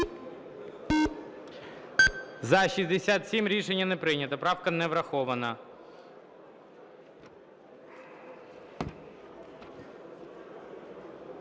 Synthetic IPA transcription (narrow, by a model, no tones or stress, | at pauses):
zɐʃizʲd̪esʲat̪sʲimɾʲiʃenʲːɐnɛpɾɪnʲɐt̪ɐpɾɑwkɐnɛʋɾɐxɔʋɐnɐ